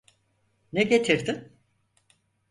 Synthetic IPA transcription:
nɛɟet̪ʰiɾd̪ɪm

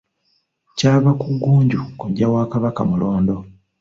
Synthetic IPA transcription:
caːβakuɡːuːɲɟukoɟawaːkaβaka̰muloːndo̞

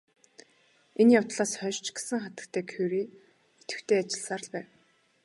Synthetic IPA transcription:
enjʊwt̪ɮaːsχœʃt͡ɕɡe̥sɘ̆ŋχat̪ə̆kt̪ʰæːkʰewɾiː | et̪ɘ̥̆xt̪ʰeːat͡ɕɪ̆ɮsaːr̆ɮpæːw

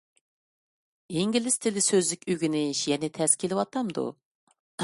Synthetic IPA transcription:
iŋɡʲilɪst̪ʰɪlɪsøzlɪkʲyɡʲinɪʃjɛnɪt̪ʰɛskʲʰelɪwɑt̪ʰɑmd̪ṵ

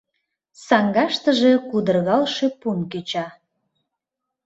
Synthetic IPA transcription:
sɑŋɡɑʃt̪ə̆ʒe̽kud̪ərɣɑlʃepunkyt͡ɕɑ

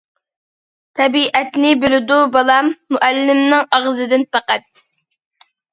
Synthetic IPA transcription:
t̪ʰɛbiʔɛt̪nɪbølɪd̪ubɑlˠɑmːuʔælːɪmnɪŋʔɑʁzɨd̪ɪnpɑqæt̪̚

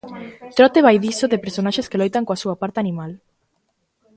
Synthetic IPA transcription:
t̪ɾɔt̪eβajðisoðepeɾsonaʃeskelojt̪aŋkoasuɐapaɾt̪eanĩmal

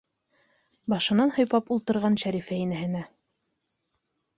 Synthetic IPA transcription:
bɑʃɤ̆nɑnhŏjpɑpulˠt̪ɤ̆ɾʁɑnʃæɾifæinæɦɘ̆næ

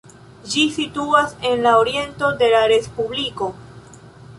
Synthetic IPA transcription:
d͡ʒisituase̞nlaoɾie̞nto̞de̞laɾe̞spubliko̞

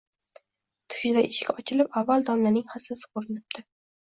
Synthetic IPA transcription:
t̪ʰʊ̥ʃɪd̪aʔɪʃɪ̥kʲɒt͡ʃʰɪlɪpavːald̪ɒmlanɪŋhaslasɪ̥qʰoɾɪnɪp̚d̪̥ʰɪ

